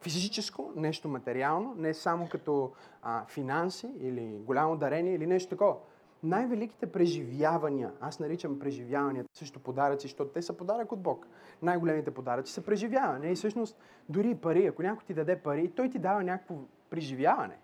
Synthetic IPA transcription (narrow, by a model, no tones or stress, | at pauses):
fizizit͡ʃɛskonɛʃt̪omɐt̪ɛɾialˠnonɛsamokɐt̪ɔəfinansiiliɡolʲamod̪ɐɾɛnʲiɛilinɛʃt̪o̥t̪ɐkɔvɐ | najvɛlik̟i̥t̪ɛpɾɛʒivjavɐniə̰asnɐɾit͡ʃɐmpɾɛʒivjavɐniət̪əsəʃt̪opod̪aɾɐt̪siʃt̪ɔt̪ʊt̪ɛsɐpod̪aɾəkod̪̚bɔk | najɡolʲɛmit̪ɛpod̪aɾɐt̪si̥sɐpɾɛʒivjavɐnɛisɤʃnost̪ | d̪ʊɾipɐɾiɐkonʲakʊjt̪id̪ɐd̪ɛpɐɾit̪ɔjt̪id̪avɐnʲakə̥kvo | pɾiʒivjavɐ̰nɛ̰